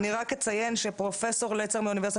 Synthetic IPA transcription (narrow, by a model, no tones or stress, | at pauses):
niʁaket͡saje̞nʃepʁo̞fe̞so̞ʁlet͡semeunive̞ʁsi